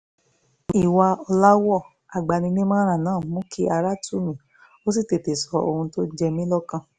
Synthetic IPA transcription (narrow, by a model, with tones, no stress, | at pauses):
i˨wa˧ɔ˧la˦wɔ˦˨ | a˨ɡ͡ba˨nĩ˧nĩ˦mãː˦ɾ̃ã˦˨nãː˦˨˦mũ˦ki˦a˧ɾa˦tu˦˨mĩ˨ | o˦si˦˨te˨te˨sɔ˧˦o˧hũ˧to˦d͡ʒɛ˧mĩ˦lɔ˦kã˧˨